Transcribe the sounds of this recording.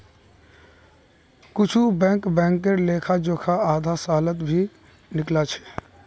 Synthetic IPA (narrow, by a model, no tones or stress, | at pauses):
kʊt͡ʃʰubɛ̃ːŋkbɛ̃ːŋkəɾleːkʰad͡ʒoːkʰaaːd̪ʱasaːlət̪bʱi | nɪklat͡ʃʰɛ̥